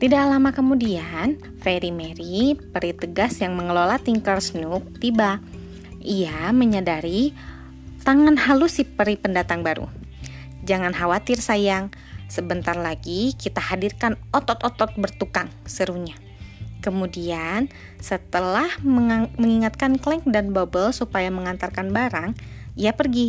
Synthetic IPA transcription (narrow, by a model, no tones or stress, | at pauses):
t̪idaʔlamakəmudian | feɾimeɾipəɾit̪əɡasjaŋməŋəlolat̪iŋkərsnuk̚t̪iba | iaməɲadaɾi | t̪aŋanhalusɪhpəɾipəndat̪aŋbaɾṵ | d͡ʒaŋanɦawat̪ɪrsajaŋ | səbənt̪arlaɡikit̪ahadirkanɔt̪ɔt̪ɔt̪ɔt̪̚bərt̪ukaŋsəɾuɲa | kəmudian | sət̪əlahməməŋiŋat̪̚kanklɛŋk̚danbobəlsupajaməŋant̪arkanbaɾaŋiapərɡi